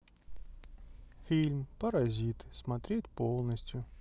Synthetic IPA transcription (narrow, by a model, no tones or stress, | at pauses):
fʲilʲmpɐɾɐzʲit̪smɐt̪ɾʲetʲpolˠnəsʲtʲjʊ